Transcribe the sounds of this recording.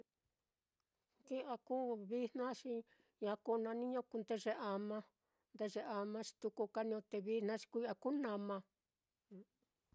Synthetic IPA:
ki˦ʔa˧kuː˦βi˦nnã˦ʃi˧ | ja˧ku˧˦nã˧nĩ˦ɲõ˦ku˧nd̪e˧ʐe˧ʔa˧mã˧ | nd̪e˧ʐe˧ʔa˧mã˧t͡ʃi̥˧t̪u˧ku˧ka˧˦nĩ˧õ˧t̪e˧βi˦n̥nã˦t͡ʃi̥˧kʷa˧ku˦nã˧mã˧˦

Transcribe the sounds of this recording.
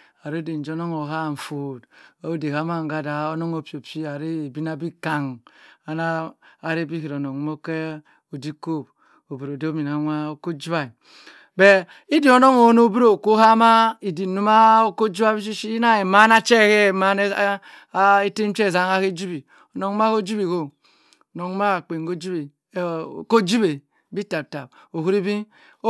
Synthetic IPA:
a˨ɾe˦de˨n̩˨d͡ʒo˦no˦ŋo˨ɦa˦˨ɱ̩˨fo˨da˨o˦de˨ka˨˦ma˦ŋ˨ɡa˦da˨o˦no˦ŋo˨pi˨o˨pi˦a˨ɾi˦˨bi˦na˨bi˦ka˨ŋa˨naː˦˨ɾe˦bi˦hi˨ɾo˨no˨ŋ˦mo˦ke˦ | o˨di˦ko˦˨b̚ | o˨bi˨ɾo˨de˦o˦mi˨n˨a˨˦nʷa˦o˦ko˦d͡ʒi˦a˨i˨ | be˦˨ | i˦di˨o˦no˦ŋo˨˦no˦bu˦ɾo˨ko˦ha˦ma˦i˨di˨nu˦ma˦o˦ko˦d͡ʒi˦a˦bi˦ʃ̬i˦ʃi˦na˦e˨ma˦na˦t͡ʃe˦˨ke˦˨ma˦n˦ | e˦te˦m˦t͡ʃe˦˨za˦ŋa˦ke˦d͡ʒi˦bi˨ | o˨no˨ŋ˦m˦a˦ko˦d͡ʒi˦bi˨ko˦˨ | no˨ŋ˦ma˦a˨k͡pe˨ŋ˨ɡo˦d͡ʒi˦be˨˦˨ | ko˦d͡ʒi˦be˨ | bi˦ta˨b̚ta˨b̚ | o˨hu˦ɾi˦bi˦

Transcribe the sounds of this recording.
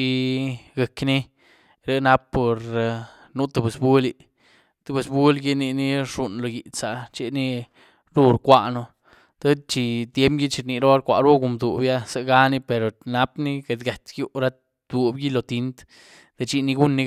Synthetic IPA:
i˧ɡe˨kni˦ | ɾe˦na˧pːo˨ɾ | nu˦t̪u˧be˨sbu˦li˧ | t̪u˨˧be˨sbu˦lɡi˦ni˧ni˦ʂu˨nlo˨ji˨sa˨t͡ʃe˦ni˦ | ɾu˦ɾkʷa˧ʔno˧ | t̪a˦t͡ʃi˧t̪je˦mɡi˦t͡ʃi˧ɾni˨ɾo˦a˦ɾkʷa̰˨ɾo˦ɡu˧˨md̪ṵ˨bja˦sa˧ɡa˦ni˦pe˨ɾo˨na˦pni˦ɡe˨˧d̪ɡa˨t̪ɡju˦ɾa˦ | d̪u˧bɡi˦lo˨t̪i˧nt̪ | d̪̥e˧t͡ʃi˧ni˧ɡu˦nːi˧

